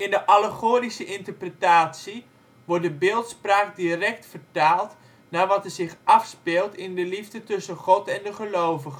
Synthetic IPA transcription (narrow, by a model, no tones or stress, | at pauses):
ɪndəʔaləχoːɾisəʔɪntərprətaːsi | ʋɔr̚dəbɪːlˠtspraːk̚dirɛk̚tfərtaːlˠt | naːɹʋɑtɛzɪχɑfspɪːlˠtɪndəlivdətɵsəχɔtɛndəχəlowvəχə